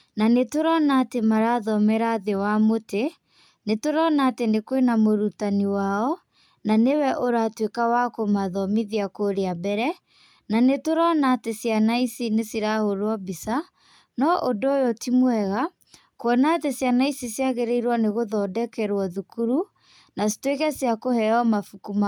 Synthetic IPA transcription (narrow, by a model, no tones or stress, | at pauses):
nanetoɾɔnatemaɾaðɔmɛɾaðewamote | netoɾɔnatenekwenamoɾutaniwaɔ | nanewɛʔoɾatwekawakomaðɔmiðiakoɾeabɛɾɛ | nanetoɾɔnatesjanaisinesiɾahoɾwɔbisa | nɔʔodojɔtimwɛɣa | kwɔnatesjanaisisjaɣeɾeiɾwɔneɣoðɔdɛkɛɾwɔðukuɾu | nasi̥twekɛsjakohɛɔmafukuma